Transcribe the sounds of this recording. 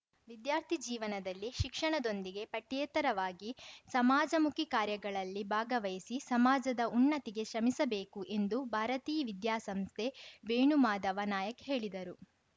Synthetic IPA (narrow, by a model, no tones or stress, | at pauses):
ʋid̪jaːɾt̪ʰid͡ʒiːʋɐnɐd̪ɐlːiʃikʂɐɳɐd̪o̞nd̪iɡe̞pɐʈjeːt̪ɐɾɐʋaːɡisɐmaːd͡ʒɐmukikaːɾjɐɡɐɭɐlːibʱaːɡɐʋɐjisisɐmaːd͡ʒɐd̪ɐunːɐt̪iɡe̞ʃɐmisɐbe̞ːkuʔe̞nd̪ubʱaːɾɐt̪iːʋid̪jaːsɐmst̪ʰebeːɳumaːd̪ɐʋɐnaːjɐkɦe̞ːɭid̪ɐɾu